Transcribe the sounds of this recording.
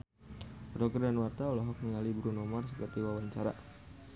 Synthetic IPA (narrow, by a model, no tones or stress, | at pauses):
rɔɡərdanwart̪aɔlɔɦɔk̚niŋalibɾunɔmarsəpərt̪iwawaɲt͡ʃaɾa̰